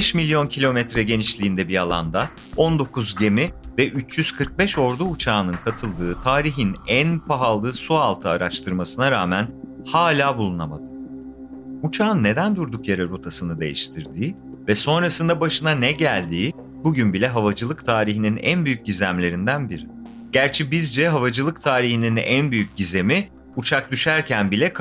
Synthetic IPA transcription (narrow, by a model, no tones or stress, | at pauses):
bɛʃmilʲjo̞ncʰilʲo̞mɛt̪ɾɛɟe̞niʃlʲiːnd̪ɛbialˠa̰nd̪a | ond̪o̞kʰuzɟe̞mivɛʔyt͡ʃʰjyz̥kʰɯɾk̚bɛʃo̞ɾd̪uːt͡ʃʰaːnɯnkʰat̪ʰɯlˠd̪ɯːt̪ʰaːɾiɦinænpʰaɦalˠd̪ɯːsualˠt̪ʰɯaɾaʃt̪ʰɯɾmasɯnaɾaːmænhaːlʲaːbulˠunamad̪ɯ̥ | ut͡ʃʰaːɯnːe̞d̪ænd̪uɾd̪ukjaɾɛɾot̪ʰasɯnɯd̪e̞̰jḭʃt̪ʰiɾd̪iː | vɛso̞nɾasɯnd̪abaʃɯnanɛɟælʲd̪iː | buɟynbilʲɛɦavad͡ʒɯlˠɯkt̪ʰaːɾiɦininæ̰nbyjyc̚ɟizlʲæmlʲe̞ɾind̪ænbiɾi | ɟ̥æɾt͡ʃʰɛbizd͡ʒɛɦavad͡ʒɯlˠɯkt̪ʰaːɾiɦininænbyjyc̚ɟize̞mi | ut͡ʃʰak̚d̪yʃæɾcʰænbilʲɛkʰ